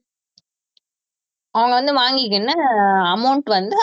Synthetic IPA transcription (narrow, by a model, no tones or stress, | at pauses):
ɐʋɐŋɡɐʋɐnd̪ɯʋaːŋɡɪk̬ːɐnːaɐmɐʊɳʈʋɐnd̪ɯ